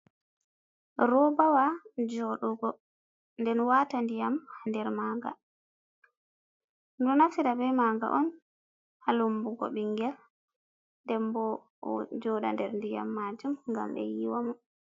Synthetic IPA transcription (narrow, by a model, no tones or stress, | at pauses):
ɾɔbawad͡ʒɔɗuɡɔ | ndɛnwatandijamhandɛɾmaɡa̰ | ɗɔnafidabɛmaɡa̰ʔɔn | halumbuɡɔ̰ɓiŋɡɛl | ndɛnbɔ | d͡ʒɔɗa̰ndɛɾndija̰mːad͡ʒumŋɡa̰mbɛ̰jiwamɔ